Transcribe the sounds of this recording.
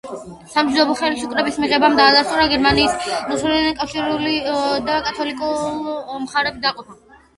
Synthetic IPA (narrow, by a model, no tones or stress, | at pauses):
samʃʰud̪ɔbɔχɛlisukʼɾɛbismiʁɛbamd̪aːd̪ast̪ʼuɾaɡɛɾmaniːsnusuld̪akʼafʃiɾulid̪akʼat̪ʰɔlikʼulmχaɾɛbid̪aqʼɔpa